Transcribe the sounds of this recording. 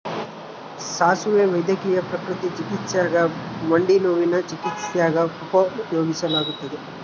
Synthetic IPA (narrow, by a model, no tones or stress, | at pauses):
saːsuʋeːʋɐjd̪jɐkiːjɐpɾɐkɾut̪it͡ʃikit̪sjaːɡɐmɐɳɖinoːʋinɐt͡ʃikit̪sjaːɡɐupɐjoːɡisɐlaːɡut̪ɐd̪i